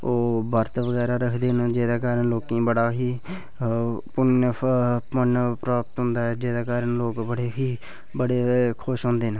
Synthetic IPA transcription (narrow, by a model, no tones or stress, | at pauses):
oːbəɾt̪ʋəɡɛːɾaːɾəkʰd̪eːnd͡ʒeːd̪aːkaːɾənloːkĩːbəɽaːɦiː | pʊnː | pənpɾaːpət̪ɦʊ̃nd̪aːɛːd͡ʒeːd̪aːkaːɾənloːkbəɽeːɦiː | bəɽeːkʰʊʃɦõːnd̪eːn